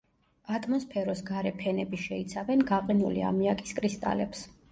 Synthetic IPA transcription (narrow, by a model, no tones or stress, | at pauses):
ad̪ʰʼmɔspʰɛɾɔsɡaɾɛpʰɛnɛbiʃɛit̪sʰavɛnɡaqʼinulḭa̰miakʼi̥skʼɾist̪ʼa̰lɛps